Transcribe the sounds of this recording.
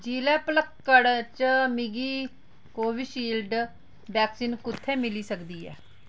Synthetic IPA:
d͡ʒiːlɛːpələkːəɽt͡ʃmɪɡiː | koːʋiʃiːlɖ | bɛːksiːnkʊt̪ʰːẽːmɪliːsəkd̪iːɦɛ̰ː

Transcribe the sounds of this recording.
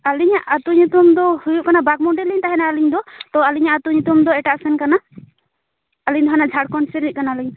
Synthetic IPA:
aliɲaʔat̪uɲut̪umd̪ɔhujuʔkanabaɡ̚mɔɳɖɛliɲt̪aɦɛnaaliɲd̪ɔt̪ɔaliɲaʔat̪uɲut̪umd̪ɔɛʈaʔsɛnkana | liɲd̪ɔɦanaʔd͡ʒʱaɽkɔɳsɛɾiʔ̚kanaliɲ

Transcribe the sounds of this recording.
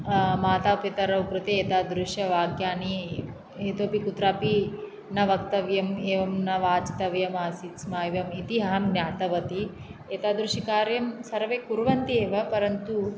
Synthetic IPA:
maːt̪aːpit̪ɐɾɐwkɾut̪eeːt̪aːd̪ɾuʃjɐʋaːɡjaːni | eːt̪oːpikut̪ɾaːpi | nɐʋɐkt̪ɐʋjɐmeːʋɐmnɐʋaːt͡ʃi̥t̪ɐʋjɐmaːsismaːjʋɐmit̪iɦɐɦɐmɡnʲaːt̪ɐʋɐt̪i | eːt̪aːd̪ɾuʃikaːɾjɐmsɐɾʋeːkuɾʋɐnt̪ieːʋɐpɐɾɐnt̪u

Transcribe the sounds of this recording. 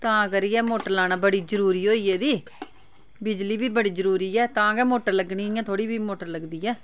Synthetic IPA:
t̪ãːəɡəɾɪjɛːmoːʈəɾlaːnaːbəɽiːd͡ʒəɾuːɾiːoːiːɛːd̪iː | bɪd͡ʒliːbiːbəɽiːd͡ʒəɾuːɾiːɛːt̪ãːɡɛːmoːʈəɾləɡnĩːɪjãːt̪ʰoːɽiːbiːmoːʈəɾləɡd̪iːɛː

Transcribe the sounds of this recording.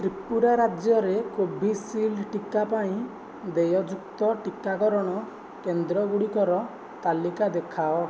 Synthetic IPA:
t̪ɾipuɾaɾad͡ʒjɔɾekobʱisilʈikapaĩ | d̪ejɔd͡ʒukt̪ɔʈikakɔɾɔɽ̃ɔ | kend̪ɾɔɡuɽikɔɾɔ | t̪alikad̪ekʰaɔ

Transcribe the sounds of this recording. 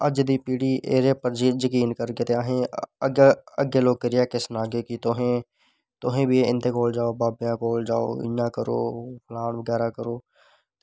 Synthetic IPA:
əd͡ʒd̪ipiːɽiʔḛːɾeːpəɾd͡ʒijəkiːnkəɾɡeːt̪eaːɦẽəɡəɡeloːɡ̚kəɾɪjakesənaːɡekit̪oɦẽ | t̪oɦẽbʱieɪ̰̃nt̪ekoːld͡ʒaːobaːbjãkoːld͡ʒaːo̰ɪ̰jãːkəɾo̰ːpʰlaːnʋəɡɛːɾakəɾoː

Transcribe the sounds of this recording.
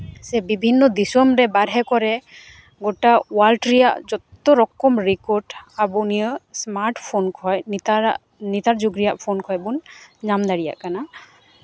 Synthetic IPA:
sɛbibʱinːɔd̪isɔmɾɛbaɾɦɛkɔɾɛ | ɡɔʈawalʈɾijaʔd͡ʒɔt̪ːɔɾɔkːɔmɾikɔɾɖabunijɔsmaɾʈpʰonkʰɔjnt̪aaʔ | nit̪aɾd͡ʒuɡɾijaʔpʰonkʰɔjbunɲamd̪aɽija̰ʔkana

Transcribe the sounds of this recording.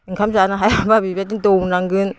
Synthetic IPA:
iŋkʰamzanaɦajababibatint̪onaŋɡɯn

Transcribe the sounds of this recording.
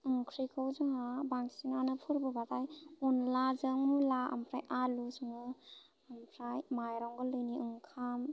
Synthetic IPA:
ɯŋkʰɾikʰawzɯŋabaŋsinanɯpʰɯɾbɯbatajunlazɯŋmulaa̰mpʰɾajʔalusɯŋɯ | ampʰɾajmajɾɔŋɡɔlɯjniɯŋkʰam

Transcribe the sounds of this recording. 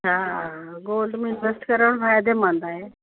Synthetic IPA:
aɡoːlɖmɪnʈʋesʈkəɾəɽ̃ɾaːjd̪emãnd̪aɦe

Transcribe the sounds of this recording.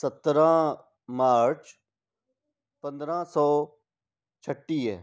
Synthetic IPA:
sət̪ɾãː | maːɾt͡ʃ | pə̃nd̪ɾãːsɔː | t͡ʃʰəʈːiːɛ̰ː

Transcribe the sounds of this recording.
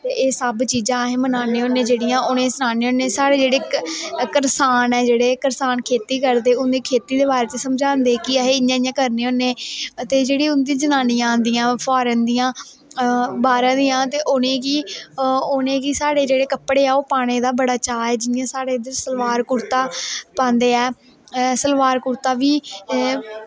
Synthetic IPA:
t̪eːʔeːsəbt͡ʃiːd͡ʒãːɦẽːmənaːneːonːẽːd͡ʒeːɽijãːʔʊnẽːsənaːneːonẽːsaːɽeːd͡ʒeːɽeːkəɾsaːnɛːd͡ʒeːɽeːkəɾsaːnkʰeːt̪iːkəɾd̪eːʊnd̪iːkʰeːt̪iːd̪eːbaːɾeːt̪eːsəmd͡ʒãːnd̪eːkɪəɦeːɪjãːɪjãːkəɾneːonẽːt̪eːd͡ʒeːɽiːʊnd̪ĩãd͡ʒənaːnijãːnd̪ijãːpʰɔːɾənd̪ijãː | baːɾãːd̪ijãːt̪eːʔʊnẽːkiː | ʊnẽːkiːsaːɽeːd͡ʒeːɽeːkəpɽeːɛːoːpaːɽ̃eːd̪aːbəɽaːt͡ʃaːɛːd͡ʒɪjãːsaːɽeːd̪esəlʋaːɾkʊɾt̪aːpãːnd̪eːɛː | səlʋaːɾkʊɾt̪aːʋiː

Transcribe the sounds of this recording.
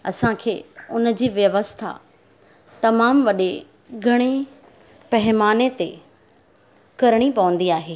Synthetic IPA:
ɐsãkʰeːʊnə̆d͡ʑiːʋjɐʋəst̪ʰa̰ | t̪ɐmaːmʋɐɗe | ɡʱɐɽ̃e | pɐɦɪmaːnet̪e | kɐɾɽ̃ipɐʋə̃nd̪iaːɦeː

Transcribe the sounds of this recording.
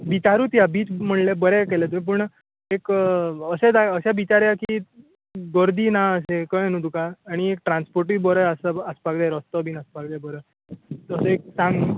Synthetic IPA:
bit͡ɕaɾuːt̪jabiːt͡sm̤əɳlebəɾɛkelɛt̪uẽp̬uɳ | ekəsed̪aəɕjabit͡ɕaɾjakiː | ɡəɾd̪iːnaəsekənũd̪ukaːɽ̃iek̚ʈɾanspoɾʈiːbəɾɛəsəəspakd̪aɾɔst̪əbiːnaspakd̪ɛbəɾə | əsəek̚sãŋɡ

